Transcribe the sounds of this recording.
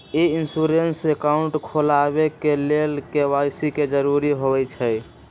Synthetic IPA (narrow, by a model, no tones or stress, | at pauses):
einsuɾensekaʊɳʈkʰolaβekelelkewasiked͡ʒəɾuɾiɦoβɛt͡ʃʰɛj